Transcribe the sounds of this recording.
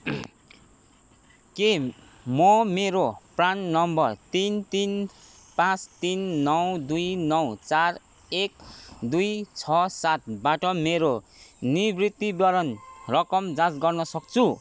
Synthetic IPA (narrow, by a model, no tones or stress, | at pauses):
ke | mʌmeɾopranːʌmbʌrt̪int̪in | pãt͡st̪inːʌwd̪ujnʌwt͡sar | ekd̪ujt͡sʰʌsat̪̚ʰbaʈʌmeɾo | nibrit̪ːibjʌɾʌnrʌkʌmd͡zãt͡sɡʌrnʌsʌk̚t͡sʰu